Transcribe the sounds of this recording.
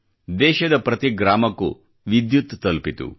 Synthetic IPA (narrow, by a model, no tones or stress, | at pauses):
d̪ɛːʃɐd̪ɐpɾɐt̪iɡɾaːmɐkṵ | ʋid̪jut̪t̪ːɐlpit̪ṵ